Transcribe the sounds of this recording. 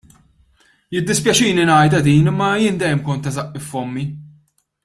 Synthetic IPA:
jɪd̪ːɪspjɐt͡ʃiːninɐjd̪ɐd̪iːnɪmːɐjɪːnd̪ɛjːɛmkɔnt̪ːɐzɐʔːɪfːɔmːi

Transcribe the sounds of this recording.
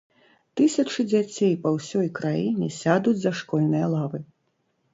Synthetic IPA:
t̪ɨsʲɐt͡ʂɨd͡zʲat͡sʲejpɐwsʲɔjkɾajinʲɛsʲad̪ud͡zʲzɐʂkɔlʲnɨjɐlˠavɨ

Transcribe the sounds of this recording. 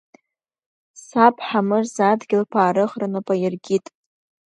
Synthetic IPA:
sapʰʼħamɨrzadɡʲɪlpʰaːɾɨχranɨpʼajɪrɡʲitʼ

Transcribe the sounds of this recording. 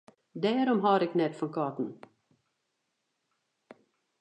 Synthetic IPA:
d̪ɛːɾɔmɦɑːɾɪknɛt̪fɔnkʰɑːt̪n̩

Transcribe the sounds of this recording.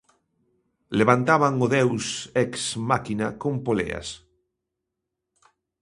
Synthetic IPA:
leβant̪aβaŋoðewsɛksmakinakõmpolḛa̰s

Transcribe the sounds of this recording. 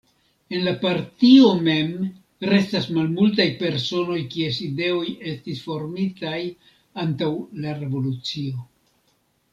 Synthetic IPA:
e̞nlapaɾtio̞me̞m | ɾe̞stasmalmult̬ajpe̞ɾso̞no̞jkie̞side̞o̞je̞stisfo̞ɾmitaj | antawlaɾe̞vo̞lut͡sio̞

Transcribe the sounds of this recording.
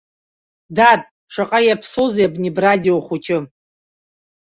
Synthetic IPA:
datʼ | ʂʷaqʼajapʰsozeabnʲibradʲioχut͡ʃʰɪ

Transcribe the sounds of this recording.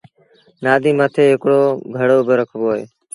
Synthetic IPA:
naːd̪iːmət̪ʰeːɦɪkɽoːɡʱəɽoːbɪɾəkʰʋoːɦḛː

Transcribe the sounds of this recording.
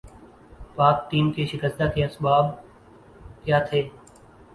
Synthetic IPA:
paːk̚ʈ̪iːmkeːʃɪkəst̪aːkeɐsbaːb̚ | kjaːt̪ʰeː

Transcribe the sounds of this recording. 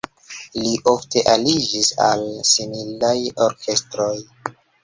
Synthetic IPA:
liʔo̞fte̞ʔalid͡ʒisa̰lsimilajo̞ɾkʰe̞stɾo̞j

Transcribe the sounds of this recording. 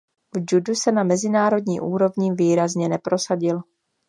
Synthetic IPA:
vd͡ʒudusɛnamɛzɪnaːɾo̞dɲḭːʔuːɾo̞vɲɪviːɾazɲɛnɛpɾo̞saɟɪl

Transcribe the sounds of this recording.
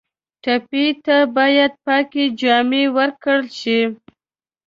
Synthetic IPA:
ʈapit̪abɑjad̪̚pɑked͡ʒɑmewəɾkəɽlʃi

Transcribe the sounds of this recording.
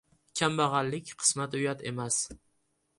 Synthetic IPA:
kʲʰambaʁɑlːɪkʲqʰɨ̥smat̪ʊjat̪ʰe̞mas

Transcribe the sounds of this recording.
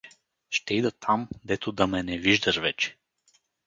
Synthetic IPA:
ʃt̪ɛid̪ət̪ʰamd̪ɛt̪od̪ɐmɛnɛviʒd̪ɐʃvɛt͡ʃɛ̥

